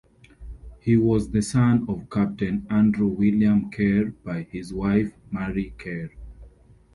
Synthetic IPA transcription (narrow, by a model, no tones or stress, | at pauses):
hiwɔzðəsãnɔv̥kʰæp̚tɨ̃næ̃ndɹuwiljãmkʰɛɹb̥aɪhizwaɪfmɛɹikʰɛɹ